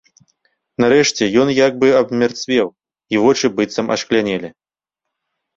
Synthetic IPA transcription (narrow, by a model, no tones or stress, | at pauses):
nɐɾɛʂt͡sʲɛjɔnjaɡ̚bɨɐbmʲart̪svʲɛw | ivɔt͡ʂɨbɨt̪sɐmʔɐ̰ʂklʲanʲɛlʲi